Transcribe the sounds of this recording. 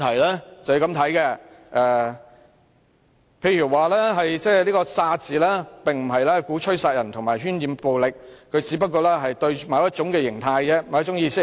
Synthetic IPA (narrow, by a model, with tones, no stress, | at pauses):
t̪ʰɐ˨˩jlɛː˥t͡sɐ˨wjkɐ˨˥mt̪ʰɐ˨˥jkɛ˧ | ʔɛː˧ | pʰe˧jɥyː˨˩waː˨lɛː˥ɦɐ˨jt͡sɛː˥˧liː˥kɔː˧saː˧t͡siː˨lɛː˥pɪ˨ŋm̩˨˩ɦɐ˨jlɛː˥kuː˨˥t͡ʃʰɵ˥ɥsaː˧t̚jɐ˨˩nt̪ʰʊ˨˩ŋmaː˨˩jɦyː˥njiː˨˧mpo˨wlɪ˨k̚kʰɵ˨˧ɥt͡siː˨˥pɐ˥t̚kɔː˧lɛː˥ɦɐ˨jt̪ɵ˧ɥmaː˨˥wjɐ˥t̚t͡ʃʊ˨˥ŋkɛː˧jɪ˨˩ŋt̪ʰaː˧jɛ˧ma˨wjɐ˥tt͡ʃʊ˨˥ŋjiː˧sɪ˥k̚